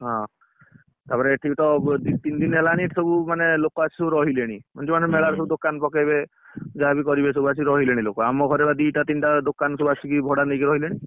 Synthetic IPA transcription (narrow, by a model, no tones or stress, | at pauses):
ɦã | t̪apɔɾeʈʰikt̪ɔd̪it̪ind̪inɦelaniʈsɔbumanelokɔat͡ʃʰi̥sɔbuɾɔɦileɽ̃imɔnd͡ʒemanmeɭaɾs̬ɔbud̪okanpɔkajbe | d͡ʒaabikɔɾibesɔbuat͡ʃʰiɾɔɦileɽ̃ilokɔamɔɡʱɔɾebad̪iʈat̪inʈad̪okansɔbuat͡ʃʰikibʱɔɽanekiɾɔɦileɽ̃i